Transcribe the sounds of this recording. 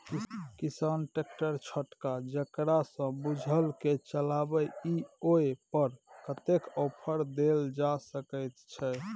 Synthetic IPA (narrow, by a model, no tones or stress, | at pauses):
kisanʈek̚ʈəɾt͡ʃʰəʈkad͡ʒəkɾasə̃bud͡ʒʱəlket͡ʃəlabəioepəɾkət̪ekɔpʰəɾd̪eld͡ʒasəkəjt̪t͡ʃʰɛ